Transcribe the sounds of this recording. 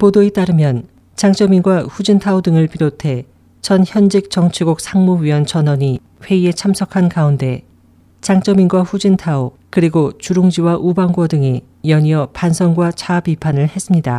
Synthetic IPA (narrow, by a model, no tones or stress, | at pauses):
podoet͈aɾɯmjʌn | t͡ɕaŋt͡ɕ͈ʌminɡwaɸud͡ʑintʰaodɯŋɯɭpiɾotʰe̞ | t͡ɕʌnçjʌnd͡ʑik̚t͡ɕʌŋt͡ɕʰiɡuk̚sʰaŋmoɥiʌnt͡ɕʌnʌɲi | ɸwe̞ie̞t͡ɕʰamsʰʌkʰankaunde̞ | t͡ɕaŋt͡ɕ͈ʌminɡwaɸud͡ʑintʰao | kɯɾiɡot͡ɕuɾoŋd͡ʑiwaʔubaŋɡwʌdɯŋi | jʌɲiʌpansʰʌŋɡwat͡ɕapipʰanɯɭe̞s͈ɯmɲida